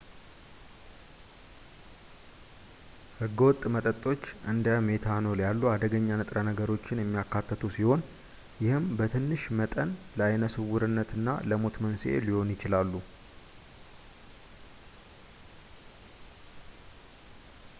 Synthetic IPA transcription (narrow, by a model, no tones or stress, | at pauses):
hɨɡːəwɔt̪ʼmət̪ʼət̪ʼo̞t͡ʃːʔɨnd̪əme̞t̪ʰanoljalːuad̪əɡəɲːanət̪ʼɾanəɡəɾo̞t͡ʃːɪnjɛmːijakʰːat̪ʰːət̪ʰusiho̞n | jɪhɨmbət̪ʰɨnːɨʃmət̪ʼənləajnəsɨwuɾɨnːət̪ʰɨnːa̰ləmo̞t̪mənsḛliho̞njɪt͡ʃɪlalːu